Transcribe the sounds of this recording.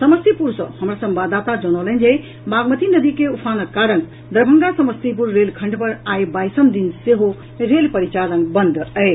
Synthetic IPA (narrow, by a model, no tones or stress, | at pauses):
səməst̪ipuɾsʌ̰̃həmɾasəmbad̪at̪ad͡ʒənɔlənd͡ʒe | maɡmət̪inəd̪ikeupʰanəkːaɾən | d̪əɾbʱəŋɡasəməst̪ip̬uɾːelkʰə̃ɳɖpəɾajbajsəmd̪inseɦo | ɾelpəɾit͡ʃalənbənd̪ʱəj